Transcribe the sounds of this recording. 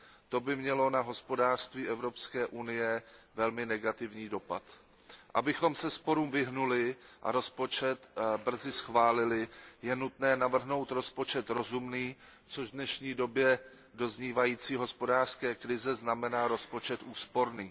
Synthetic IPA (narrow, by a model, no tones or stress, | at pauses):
t̪o̞bɪmɲɛlo̞naɦo̞spo̞daːr̥st̪viːʔɛvɾo̞pskɛːʔunɪjɛvɛlmɪnɛɡat̪ɪvɲiːdo̞pat̪ | ʔa̰bɪxo̞msɛspo̞ɾuːmvɪɦnulɪʔa̰ɾo̞spo̞t͡ʃɛt̪br̩zɪsxvaːlɪlɪjɛnut̪nɛːnavr̩ɦno̞wt̪ɾo̞spo̞t͡ʃɛt̪ɾo̞zumniːt͡soʒvdnɛʃɲiːdo̞bjɛ | do̞zɲiːvajiːt͡siːɦo̞spo̞daːr̥skɛːkɾɪzɛznamɛnaːɾo̞spo̞t͡ʃɛt̪ʔuːspo̞ɾniː